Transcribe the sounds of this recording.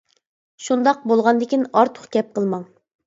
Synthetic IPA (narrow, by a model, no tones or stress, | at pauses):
ʃund̪ɑq̚bolˠʁɑnd̪ɪkʲinɑɾt̪ʰʊ̥χkʲʰɛp̚qʰəlˠmɑŋ